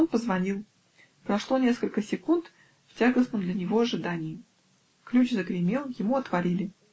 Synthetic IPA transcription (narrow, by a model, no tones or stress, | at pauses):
onpəzvɐnʲilˠ | pɾɐʂlˠo̞nʲe̞skəlʲkəsʲɪkunt̪ | ftʲaɡəsmənd̪lʲənʲɪvo̞ɐʐɨd̪anʲɪjɪ | klʲut͡ɕzəɡɾʲɪmʲe̞lˠjɪmuɐt̪vɐɾʲilʲɪ